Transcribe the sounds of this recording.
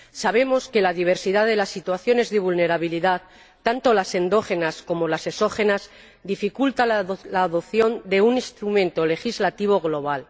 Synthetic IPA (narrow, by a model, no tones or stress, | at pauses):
saβ̞e̞mo̞ske̞laðiβ̞e̞ɾsiðaðe̞lasːit̪waθjo̞ne̞zðeβulne̞ɾaβiliðat̪ː | ant̪o̞lase̞nd̪o̞xe̞nasko̞mo̞lase̞so̞xe̞naz | d̪ifikult̪alaːðoθjo̞nd̪e̞unĩst̪ɾumẽnt̪o̞le̞xizlat̪iβ̞o̞ɣ̞lo̞β̞al